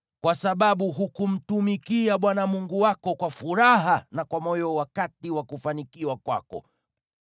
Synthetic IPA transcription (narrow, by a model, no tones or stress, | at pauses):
kwasaɓaɓuɦukum̩tumikiaɓwanamuŋɡuwakɔkwafuɾaɦanakwamɔjɔwakatiwakufanikiwakwa̰kɔ̰